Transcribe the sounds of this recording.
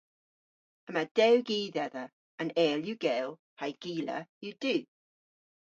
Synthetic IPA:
əmad̥ɛwɡiːðɛðə | ə̃nɛːljuɡ̥ɛːlˠ | hajɡ̥iːlə̰jəd̥ʉː

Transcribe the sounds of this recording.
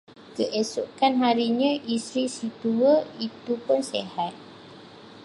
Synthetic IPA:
kəʔesuʔkanɦaɾiɲãʔisɾisit̪uəit̪upʊnsehat̪̚

